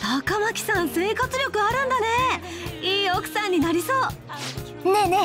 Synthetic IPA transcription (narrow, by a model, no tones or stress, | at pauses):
sakamakʲi̥sãɰ̃se̞ːkat͡sɨɾʲjo̞kɯ̟aɾɯ̟̃nd̪ane̞ | iːo̞kɯ̟̥sãɲ̟ːinaɾʲiso̞ː | nene